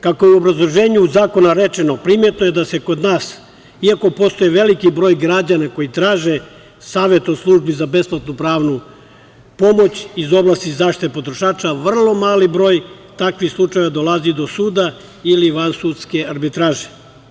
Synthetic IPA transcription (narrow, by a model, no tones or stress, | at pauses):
kakojeuo̞bɾazlˠo̞ʒe̞ːɲuuzaːko̞naɾet͡ʃeno̞pɾimjet̪noje̞d̪ase̞ko̞d̪naːs | iako̞po̞st̪o̞jeʋe̞likibɾo̞ːjɡɾad͡ʑanako̞jit̪ɾaːʒe | saːʋe̞t̪o̞slˠuːʒbizabe̞splat̪nupɾaːʋnu | po̞mo̞t͡ɕizo̞blˠast̪izaːʃt̪i̥t̪epo̞t̪ɾoʃaːt͡ʃaʋr̩lˠo̞maːlibɾo̞ːj | t̪akʋixslˠut͡ʃajeʋad̪olˠazid̪o̞suːd̪a | iliʋansuːd̪ske̞aɾbit̪ɾaːʒe̥